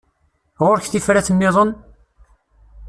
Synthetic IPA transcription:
ʁʊɾçθifɾæθəmːɪðˤən

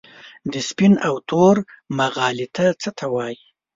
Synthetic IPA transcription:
d̪əspinawt̪ʰoɾ | maɣɑlit̪ʰat͡sət̪ʰawɑji

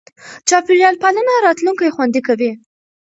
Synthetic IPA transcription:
t͡ʃɑpɪɾjɑlpalanaɾɑt̪luŋkajxwand̪ikawi

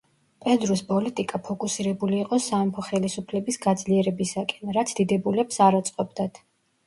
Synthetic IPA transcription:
pʼɛd̪ɾuspʼɔlit̪ʼikʼapʰɔkʼusiɾɛbuliːqʼɔsamɔmpʰɔχɛlisupʰlɛbisɡad̪zliɛɾɛbisakʼɛnɾat̪sʰd̪̥id̪ɛbulɛpsaɾat̪sʼqʼɔbd̪at̪ʰ

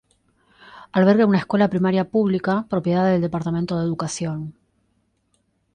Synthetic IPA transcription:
alβeɾɣeunaeskwe̞lapɾimaɾjapuβlikapɾo̞pje̞ðaððeld̪e̞paɾt̪amẽnt̪oðe̞ðukasjo̞n

